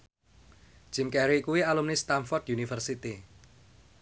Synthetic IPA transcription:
ʒ̥imkɛɾikuwialumnist̪anfɔrt̪junifərsit̪i

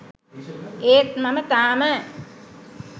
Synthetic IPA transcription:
eːt̪mɐmət̪aːmə

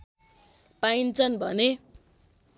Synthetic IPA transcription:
paint͡sʰʌnbʱʌ̰ne

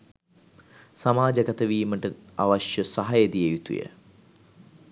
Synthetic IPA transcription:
samaːd͡ʒəkat̪əʋiːməʈəaʋaʃjəsaɦajed̪ijejut̪ṵjə̰

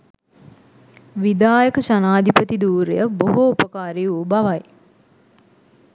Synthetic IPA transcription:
ʋid̪aːjəkəʃanaːd̪ipət̪id̪uːɾḛjəboɦoupəkaːɾeuːbaʋaj

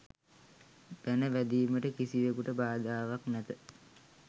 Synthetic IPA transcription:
b̪̥ænəʋæd̪iːməʈəkisiʋekuʈəbaːd̪aːʋaknæt̪ə

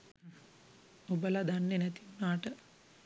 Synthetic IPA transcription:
obəlad̪anːenɛt̪iunaːʈə

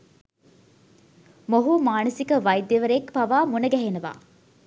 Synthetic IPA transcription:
moɦumaːnəsikəʋɐjd̪ːeʋəɾekpɐʋaːmunɐɡæɦenɐʋa̰ː

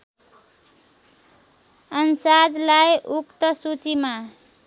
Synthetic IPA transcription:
ʌnsad͡zlajʔukt̪ʌsut͡sima

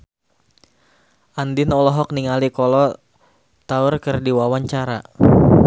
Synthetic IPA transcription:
ʔandinɔlɔɦɔk̚niŋalikɔlɔ | t̪aʊrkərdiwawaɲt͡ʃaɾa̰

